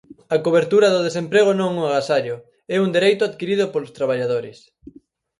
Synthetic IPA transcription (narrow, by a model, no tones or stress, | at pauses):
akoβ̞eɾt̪uɾɐðʊðesempɾeɣ̞onõŋuaɣasaʎʊ | ɛund̪eɾejt̪ʊaðkiɾiðʊpolʊst̪ɾaβaʎaðoɾɪs